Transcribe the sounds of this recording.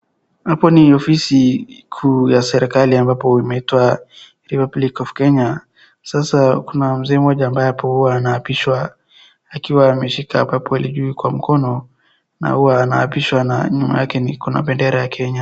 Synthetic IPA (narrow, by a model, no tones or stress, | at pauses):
hapɔniɔfisikʰujasɛɾɛkaliambapɔimɛitwa | ɾipablikɔfkɛɲa | sasakunam̩zɛːmɔʄaːmbajɛapɔhuwaːnaapiʃwa | akiwaːmɛʃikaabapɔaliʄuikwam̩kʰɔnɔ | na̰huwaːnaa̰piʃwana̰ɲuma̰jakɛnikuna̰ɓɛndɛɾajakʰɛɲa